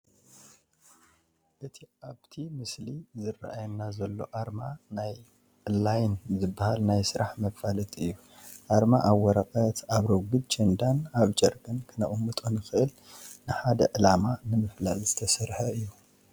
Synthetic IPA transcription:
ʔɨt̪ʰiaβt̪ʰimɨslizɨrːa̰ʔajnːazɐlːo̞̰ʔaɾmanaj | lːajnzɨbːahalnajsɨɾaħmɐkfalɐt̪ʼɨjːu | ʔaɾmaʔawːɔɾɐkʼɐt̪ʰaβɾoɡɨd̪t͡ʃʰɐnd̪anaβd͡ʒɐɾɡɐnkʰɨnɐʔumɨt̪ʼonɨxɨʔɨl | nɨħad̪ɐʕɨlamanɨmɨflalzɨt̪ʰɐsɐɾħɐɨjːu

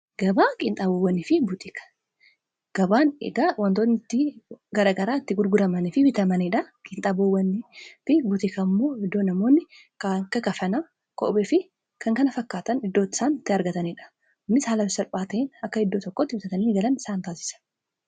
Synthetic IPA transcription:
ɡ̥ɐbaːkʼɪnt̪ʼaːbowːɐnːɪfɪbʊt̪ʼɪkɐ̥ | ɡ̥ɐbaːnḛɡaːwɐnt̪oːnːɪt̪ːɪɡɐɾaːɡɐɾaːɪt̪ːɪɡʊɾɡʊɾɐmɐnɪfɪbɪt̪ɐmɐniᶑɐkʼɪnt̪ʼaːbowɐnːɪfɪbʊt̪ʼɪkɐmːo̞ːhɪd̪ːo̞ːnɐmoːnːɪ | kakːɐkɐfɐnaː | kʼɔ̰ʔbɛfɪ | kʰɐŋkɐnɐfɐkːaːt̪ɐnɪd̪ːo̞ːt̪ːɪ̥saːnɪt̪ːɪɐɾɡɐt̪ɐniᶑɐ̥ | ʊnːɪshaːlɐfɪsɐɾpʼaːt̪ɐɪːnɐkːɐhɪd̪ːo̞ːt̪ɔkːoːt̪ːɪfɪt̪ɐt̪ɐniːɡɐlɐnɪsaːnt̪aːsɪ̥sɐ̥n

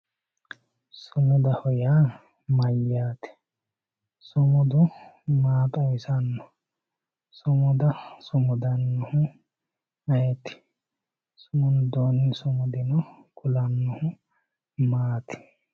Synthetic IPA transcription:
sʊmʊd̪ɐhɔjaː | mɐjːaːt̪ɪ̥ | sʊmʊd̪ʊ | maːt̪ʼɐjɪsɐnːɔ | sʊmʊd̪ɐsʊmʊd̪ɐnːʊhʊ | ɐjɛt̪ɪ̥ | sʊmʊnd̪oːnɪsʊmʊd̪ɪnɔkʊlɐnːɔhʊ | maːt̪ɪ̥

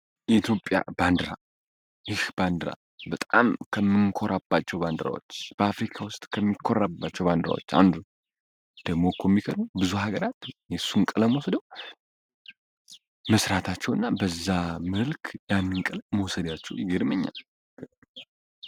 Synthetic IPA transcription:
ʔit̪ʰjo̞pʼːja̰band̪ɾa̰ | jɨhband̪ɾa̰ | bət̪ʼamkʰəmɨnkʰoɾʔabːat͡ʃːɛwband̪ɾa̰wo̰t͡ʃːb̥əafɾikʰawʊst̪ʼkʰəmːikʰːo̞ɾabːat͡ʃːɛwband̪ɾa̰wo̞̰t͡ʃːa̰nd̪ | d̪̥əɡmokʰomːikʰəd̪mubɨzuhaɡəɾat̪jɛsːuŋkʼələməwɔsəd̪əw | məsɾat̪ʰat͡ʃːɛwɨnːabəzːamɨlkʰjanːɨŋkʼələməwsəd̪jat͡ʃːɛwjɡeɾməɲːa̰l

